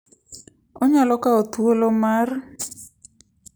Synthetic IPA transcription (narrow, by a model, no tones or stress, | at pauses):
oɲalɔkaot̪uolomar